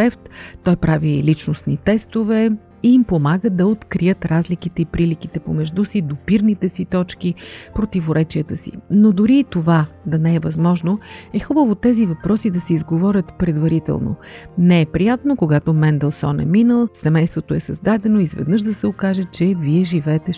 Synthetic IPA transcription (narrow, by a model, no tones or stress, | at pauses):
ɛft̪t̪ːɔjpɾavilit͡ʃnosnit̪ɛst̪ovɛ | iːmpomaɡəd̪ɐot̪kɾijɤt̪ɾazlikit̪ɛipɾilik̟it̪ɛpomɛʒd̪usid̪opiɾnit̪ɛsit̪ɔt͡ʃk̟ipɾot̪ivoɾɛt͡ʃiət̪əsḭnod̪ʊɾiːt̪ovad̪ɐnɛɛvɐzmɔʒnoɛxubəvot̪ɛzivɐpɾɔsid̪ɐsɛizɡovɔɾʲət̪pɾɛd̪vɐɾit̪ɛ̰lˠno̰nɛɛpɾijat̪nokoɡat̪omɛnd̪ɛlˠsɔnɛ̰minəlˠsɛmɛjst̪vot̪oɛsɐzd̪ad̪ɛnoizvɛ̰d̪nɤʃd̪ɐsɛokaʒɛt͡ʃɛviɛʒivɛːt̪ɛ